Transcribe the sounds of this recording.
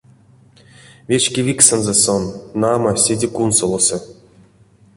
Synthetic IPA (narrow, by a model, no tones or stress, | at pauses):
vʲet͡ɕkʲevʲiksĕnzesonːamasʲedʲekunsolˠosɤ